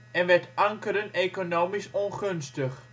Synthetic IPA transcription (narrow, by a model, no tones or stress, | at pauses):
ɛnʋɛɹtʔɑŋkəɾəneːkonoːmisɔnχønstəχ